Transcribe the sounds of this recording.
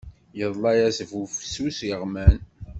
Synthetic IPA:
jəðˤlɑjæsvufsusjəʁmæn

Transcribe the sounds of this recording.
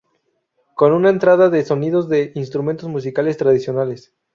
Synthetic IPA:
ko̞nunaent̪ɾaðaðe̞so̞niðo̞zðe̞ʔinst̪ɾument̪o̞zmus̬ikale̞st̪ɾaðisjo̞nale̞s

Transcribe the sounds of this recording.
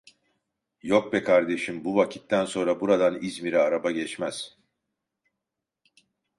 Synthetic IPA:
jok̚bɛkʰaɾd̪e̞ʃimbuvacʰi̥t̪ːænso̞nɾabuɾad̪anizmiɾɛaɾabaɟɛt͡ʃmæz̥

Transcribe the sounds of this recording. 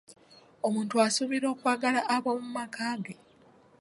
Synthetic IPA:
omuːntuasuβiɾo̞ːkwaːɡalaʔːβomumakaːɡe

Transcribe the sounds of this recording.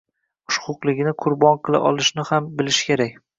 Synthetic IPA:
ʊʃqʰʊqlˠɪɡʲnɪqʰʊɾbɒnqʰɨlˠa̰ʔɒlˠɪʃnɪhambɪlɪʃkʲʰe̞ɾakʲ

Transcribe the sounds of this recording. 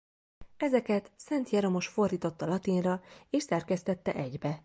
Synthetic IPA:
ɛzɛkɛt̪sɛnt̪jɛɾo̞mo̞ʃfo̞rd̪iːt̪o̞t̪ːɒlɒt̪inrɒeːʃsɛrkɛst̪ɛt̪ːɛ̰ʔɛɟbɛ

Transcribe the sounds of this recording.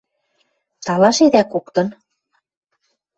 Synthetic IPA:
t̪ɑlɑʃed̪ækokt̪ɤ̆n

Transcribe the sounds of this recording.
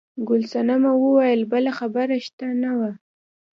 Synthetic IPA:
ɡʊlsanamawəwajəlbəlaxabaɾaʃt̪anawa

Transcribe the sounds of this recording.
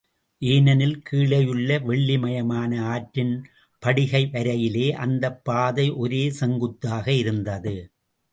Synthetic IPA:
ʔiːnɐnɪlkʰiːɭɐjɯɭːɐʋɛɭːɪmɐjɐmaːnɐaːʈɾɪn | pɐɽɪɣɐɪʋɐɾɐjɪleːʔɐnd̪ɐpːaːðɐɪʔɔɾeːsɛŋɡɯt̪ːaːɣɐɪɾɯnd̪ɐðɯ

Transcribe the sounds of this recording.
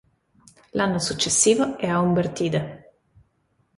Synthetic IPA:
lanːosut͡ʃːesːiːvoɛaumbert̪iːd̪e

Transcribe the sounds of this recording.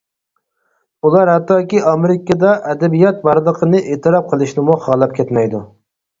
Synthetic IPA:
ulˠɑɾhɛt̪ːɑːkʲiɑmeɾɪkɑd̪ɑʔɛd̪ɛbijɑt̪̚bɑɾlˠəqʰənɨʔeːt̪ʰɨɾɑp̚qʰəlˠɨʃnɪmuχɑːlˠɑp̚kʲʰɛt̪mɛjd̪u

